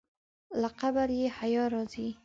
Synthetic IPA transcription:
laqabaɾjehajɑɾɑzi

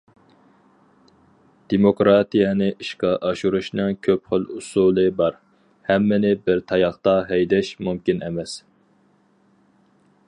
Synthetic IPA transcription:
d̪̥emokɾɑt̪ijɛnɨʔiʃqɑʔɑʃuɾuʃnɨŋkʲʰøpχəlˠusulˠɨbɑɾ | hɛmːɪnɪbɪɾt̪ʰɑjɑχt̪ɑɦɛjd̪ɛʃmumkʲinʔɛmɛs

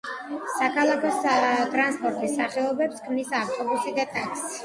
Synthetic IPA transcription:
sakʰalˠakʰɔst̪ʼɾanspʼɔɾt̪ʼisaχɛɔbɛpskʰmnisaft̪ʼɔbusid̪at̪ʼakʰsi̥

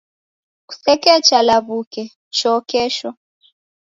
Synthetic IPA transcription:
ku̥sɛkɛt͡ʃalaβukɛ | ʃɔkɛʃɔ

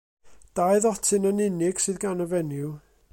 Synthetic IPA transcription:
d̥aɨðɔtʰɨnənɪnɪɡ̥sɨðɡanəvɛnɪw

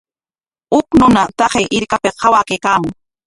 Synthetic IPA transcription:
ʊknʊnat̪ɑχeʔɪɾkapehɑwakejkaːmʊŋ

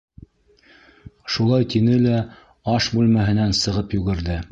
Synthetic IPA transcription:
ʃulˠɑjt̪inɘlæ | ɑʃbʉlmæɦɘ̆nænsɤ̆ʁɤpjʉɡɘ̆ɾðɘ

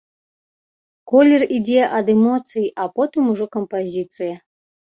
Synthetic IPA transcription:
kɔlʲɛrid͡zʲeʔɐd̪ɛmɔt̪sɨjiʔapɔt̪ɨmuʐɔkɐmpazʲit̪sɨjɐ

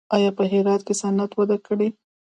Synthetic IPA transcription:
ɑjɑpəɦɪɾɑt̪kesanat̪wad̪akəɽi

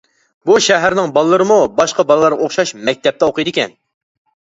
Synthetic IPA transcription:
buʃɛɦæɾnɪŋbɑlˠəːɨɾɨmubɑʃqɑbɑlˠəlˠɑɾʁɑoχʃɑʃmɛk̚ʲt̪ʰɛp̚t̪ɛoqʰɨjd̪ɪkʲɛ̰n

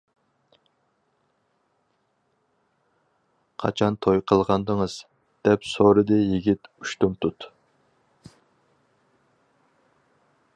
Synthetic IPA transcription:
qʰɑ̰t͡ʃʰɑnt̪ʰojqʰəlˠʁɑnd̪əŋəz̥ | d̪̥ɛpsoɾɨd̪ɨjiɡʲit̪uʃt̪umt̪ʰut̪

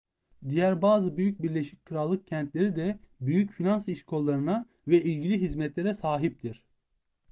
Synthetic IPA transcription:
d̪ijæɾbaːzɯbyjyc̚biɾlʲeʃi̥c̚ʲkʰɯɾalˠːɯk̚cʰɛnt̪lʲe̞ɾid̪ɛbyjycfinansiʃkʰo̞lˠːaɾɯna | vɛʔilʲɟilʲiɦizmɛt̪lʲeɾɛsaːɦip̚t̪ʰiɾ̥

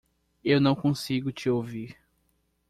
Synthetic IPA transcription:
ewnɐ̃w̃kõsiɡʊt͡ʃɪowviɾ

